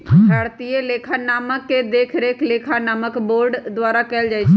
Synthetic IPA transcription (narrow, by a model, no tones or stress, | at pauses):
ʃʰaɽt̪ijeleːkʰanaːməkːed̪eːkʰɾeleːkʰanaːməkboːɾɖd̪ʋaːɾakɛld͡ʒaːjt͡ʃʰe